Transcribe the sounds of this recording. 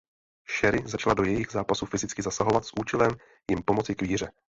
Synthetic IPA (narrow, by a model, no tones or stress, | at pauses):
ʃɛɾɪzat͡ʃlado̞jɛjɪɣzaːpasufɪzɪt͡skɪzasaɦo̞vat̪sʔuːt͡ʃɛlɛm | jɪmpo̞mo̞t͡sɪkviːr̝ɛ